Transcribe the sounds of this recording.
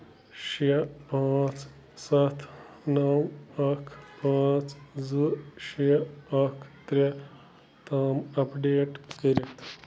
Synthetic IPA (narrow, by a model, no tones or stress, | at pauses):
ʃɐpaːt͡s | sɐt̪ʰ | nɐwɐkʰpãːt͡sd͡zzuʃiɐkʰt̪ɾʲɐ | t̪aːmɐpɖeːʈkəɾit̪